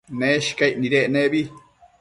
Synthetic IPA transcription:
neʃkajʔniɾeʔneβi

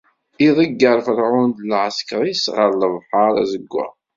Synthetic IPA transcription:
iðˤəɡːəɾˤfəɾˤʕʊnd̪lʕəskɾˤisʁəɾləvħɑɾˤæ̰zəɡʷːæ̰

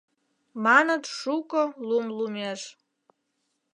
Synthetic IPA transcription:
manadʂukʼəlumlumeʐ

